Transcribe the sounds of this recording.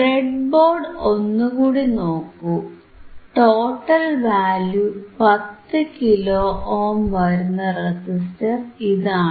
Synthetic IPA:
reɖbo̞ːrɖo̞nːukuːɽino̞ːkːu | ʈoːʈːɐlʋaːljupɐt̪ːɨkiloːʔoːmʋɐɾunːɐresistɐriðaːɳɨ

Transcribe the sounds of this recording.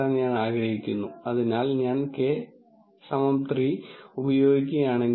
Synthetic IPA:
anɲaːnaːɡrɐhikʲːunːuɐðinaːlɲaːnkeː | sɐmɐmt̪riubɐjo̞ːɡik̬ʲːuɣɐjaːɳe̞ŋ

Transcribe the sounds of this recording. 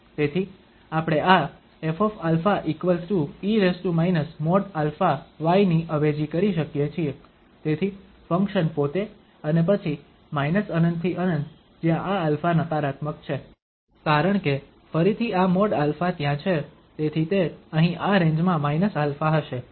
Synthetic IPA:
t̪et̪ʰi | apəɽ̃ea | efɔfalfaʔikʋəlsuiɾesʈumainəsmɔɽalfaʋajniʔəʋed͡ʒikəɾiʃəkjet͡ʃʰie | t̪et̪ʰi | fəŋkʃənpot̪e | ənep̬ət͡ʃʰi | mainəsənənd̪̚t̪ʰiʔənənd̪ | d͡ʒjãʔaːlfanət̪aɾat̪məkt͡ʃʰe | kaɾəɳke | fəɾit̪ʰiamɔɖalfat̪jãt͡ʃʰe | t̪et̪ʰit̪eəɦĩʔaɾẽɲd͡ʒmãmainəsalfaɦəʃe

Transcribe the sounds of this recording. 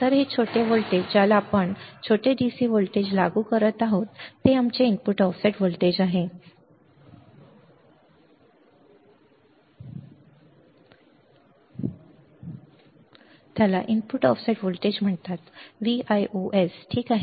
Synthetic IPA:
t̪əɾɦet͡ɕʰoʈeʋolʈed͡ʑalaːpəɳt͡ɕʰoʈeɖisiːʋolʈed͡ʑlaɡuːkəɾət̪aɦot̪ːeamt͡ɕeinpuʈɔfseʈʋolʈed͡ʑaɦe | t̪jalaʔinpuʈɔfseʈʋolʈed͡ʑm̤əɳt̪at̪ʋiajʔoʔesʈʰiːkaɦe

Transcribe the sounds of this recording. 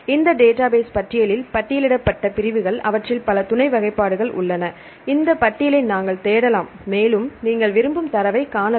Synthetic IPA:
ɪnd̪ɐɖeːʈːaːbeːspɐʈːɪjɐlɪlpɐʈːɪjɐlɪɽɐpːɐʈːɐpɪɾɪʋɯɣɐɭʔɐ̰ʋɐʈrɪlpɐlɐt̪ʊɳɐɪʋɐɣɐɪpːaːɽɯɣɐɭʔʊ̰ɭːɐnɐ | ɪnd̪ɐpɐʈːɪjɐlɪnnaːŋɡɐɭt̪eːɽɐlaːmːeːlɯmniːŋɡɐɭʋɪɾɯmbɯmt̪ɐɾɐʋɐɪkaːnɐ

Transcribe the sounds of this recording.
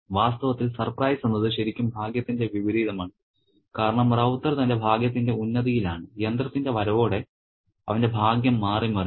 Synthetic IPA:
ʋaːst̪ɐʋɐt̪ːilsɐrprɐjsenːɐðɨɕɐɾikʲːumbʱaːɡjɐt̪ːinde̞ʋiʋiɾiːðɐmaːɳɨ | kaːɾɐɳɐmrɐwt̪ːɐɾɐt̪ɐndebʱaːɡjɐt̪̬ːinde̞unːɐðijilaːɳɨjɐnd̪rɐt̪ːinde̞ʋɐɾɐʋo̞ːɽe̞ | ɐ̰ʋɐnde̞bʱaːɡjɐmːaːrimɐri

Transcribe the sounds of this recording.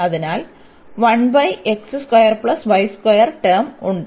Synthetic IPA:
ɐðinaːl | ʋɐɳbɐjeksɨskwɐjɐrpɭɐsʋɐjskɐjɐrʈeːmuɳɖɨ

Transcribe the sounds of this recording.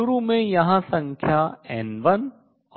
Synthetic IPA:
ʊɾumẽjɐɦãsɐ̃ŋkʰjaːɛ̰nʋɐn

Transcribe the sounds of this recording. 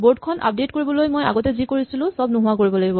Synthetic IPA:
bod̚kʰɔnʔa̰p̚detkoɹibɔlojmoja̰ɡɔtɛzikoɹisilʊ̃sɔbnuɦʊwakoɹibɔlaɡibɔ

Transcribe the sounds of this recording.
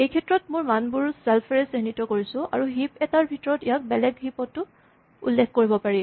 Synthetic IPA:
ejkʰɛtːɹɔtmʊɹmanbuɹsɛlpʰɛɹɛsiɦnitɔkoɹisʊ̃a̰ɹuɦipɛtaɹbʱitɔɹɔtijak̚bɛlɛɡɦipɔtːʊ | ṵlːekʰkoɹibɔpaɹi

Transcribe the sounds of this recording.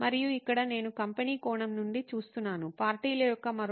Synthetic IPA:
mɐɾijuikːɐɽɐne̞ːnukɐmpeniːkɔːɳɐmnuɳɖit͡ʃuːst̪unːaːnupaːɾʈiːlɐjɔkːɐmɐɾ

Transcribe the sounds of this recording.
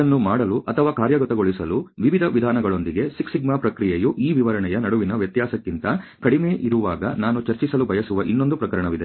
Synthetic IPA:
ɐnːumaːɽɐluʔɐt̪ʰɐʋaːkaːɾjɐɡɐt̪ɐɡo̞ɭisɐluʋiʋid̪ʱɐʋid̪ʱaːnɐɡɐɭo̞nd̪iɡe̞siksiɡmaːpɾɐkɾijejuʔiːʋiʋɐɾɐɳɛjɐnɐɽuʋinɐʋjɐt̪jaːsɐkːint̪ɐkɐɽimeːʔiɾuʋaːɡɐnaːnut͡ʃɐɾt͡ʃisɐlubʱɐjɐsuʋɐʔinːond̪upɾɐkɐɾɐɳɐʋid̪e

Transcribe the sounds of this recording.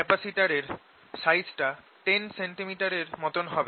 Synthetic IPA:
ɛpasiʈaɾeɾ | sajsʈa | ʈenseɳʈimiʈaɾeɾmɔt̪onɦɔbe

